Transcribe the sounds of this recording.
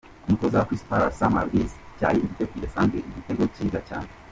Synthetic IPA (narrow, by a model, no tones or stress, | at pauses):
umutozakwispaɾa̰sama̰ɾɡizca̰ːjiifitekiɾesaːŋɡḛʔiɟiteɡociːzaca̰ːn̥e